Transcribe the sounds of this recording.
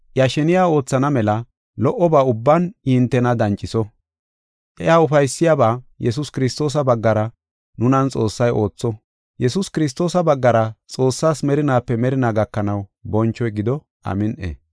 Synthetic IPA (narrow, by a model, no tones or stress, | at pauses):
ʔjaʃɛnɪjaːo̞ːt͡sːɐnɐmɛlɐ | lɔʔɔbaːʊbːɐnɪnt̪ːɛnɐd̪ɐnt͡ʃʼɪsɔ | ʔɛjaːʊfɐjsːɪjaːbaːjɛs̬ʊskɪɾɪst̪o̞ːs̬ɐbɐɡːɐɾɐ | nʊnɐnt͡sʼo̞ːsːɐjʔo̞ːt͡sːɔ | jɛsʊskɪɾɪs̬t̪o̞ːsɐbɐɡːɐɾɐt͡sʼo̞ːsːaːsmɛɾɪnaːpːɛmɛɾɪnaːɡɐkːɐnɐwbɔnt͡ʃːɔjɡɪd̪ɔ | ʔɐ̰mɪnʔḛː